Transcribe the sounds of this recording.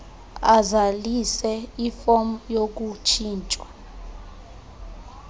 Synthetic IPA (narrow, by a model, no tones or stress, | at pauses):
azalisɛifɔm̩jok̬ut͡ʃʰiːnt͡ʃʼwa